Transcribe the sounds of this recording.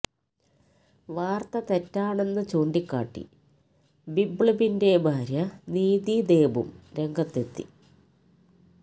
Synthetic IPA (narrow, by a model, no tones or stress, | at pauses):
ʋaːrt̪ɐt̪etːaːɳe̞nːɨt͡ɕo̞ːɳɖikːa̰ːʈːḭ | bibɭɐbinde̞bʱaːɾjɐniːðid̪e̞ːbṵmɾe̞ŋɡʱɐt̪ːet̪ːḭ